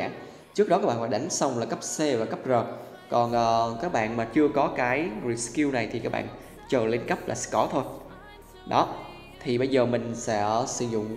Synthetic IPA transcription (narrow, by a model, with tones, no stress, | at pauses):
aː˧˩ŋ | t͡ɕɨ˦˥ək̚ɗɔ˨˦kaː˦˥ɓa̰ː˧˨faː˧˩ɗa˧˩˦ŋ̟sa˧wŋ͡mlaː˨˩kə˦˥p̚se˧vaː˨˩kə˦˥p̚zɔː˨˩t̚ | kɔ˨˩nʔəː˨˩kaː˦˥k̚ɓa̰ː˧˨nmaː˨˩t͡ɕɨ˧əkɔ˨˦kaː˨˦jɹi˨˩ski˧wna˨˩jt̪ʰi˨˩kaː˦˥k̚ɓ̰a̰ː˧˨n | t͡ɕəː˨˩le˧nkə˦˥p̚laː˨˩skɔ˧˨˦t̪ʰo˧j | ɗɔ˨˦ | t̪ʰi˨˩ɓə˧jzəː˨˩mï˨˩ŋ̟sɛ̰˧˥sɨ˧˦zʊ̰˧˨ŋ͡m